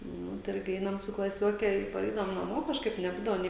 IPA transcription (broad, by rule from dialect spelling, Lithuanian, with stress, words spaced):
ˈnʊ tɐɪ ˈɪrʲɡʲɪ ˈɛɪnɐm sʊ klˠɐˈsʲoːkʲɛ ɪ pɐˈrʲɛɪdɐʋoːm nɐˈmoː kɐʃˈkɐɪp nʲɛˈbuːdɐʋoː ˈnʲeː